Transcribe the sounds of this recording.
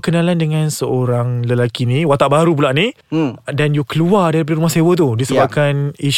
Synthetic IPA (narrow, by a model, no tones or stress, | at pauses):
kənãlandəŋãnsəoɾaŋləlakiniwat̪aʔbaɾupulaʔni | danjukəluardaɾipadaɾumahsewət̪̬udisəbap̚kaniʃ